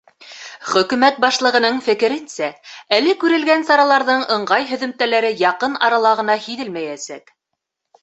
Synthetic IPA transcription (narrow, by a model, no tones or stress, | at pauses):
χɵ̆kʉmæt̪̚bɑʃlˠɤ̆ʁɤ̆nɤɴfɘ̆kɘ̆ɾɘnsæælɘkʉɾɘ̆lɡænsɑɾɑlˠɑɾðɤɴɤ̆ɴɢɑjɦɵ̆ðɵ̆mt̪ælæɾɘjɑqɤnɑɾɑlˠɑʁɤ̆nɑhiðɘlmæjæsæk